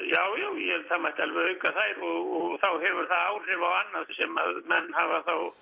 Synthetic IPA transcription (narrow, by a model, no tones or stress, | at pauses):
jaːwjaːwjɛt̪ʰamajht̪alvɛɣœjŋkaθaːjɾɔɣɔɣθawɦɛvʏɾ̥θaðaːwr̥ɪvawanːaðsɛma̰ðmɛnːhavaθaw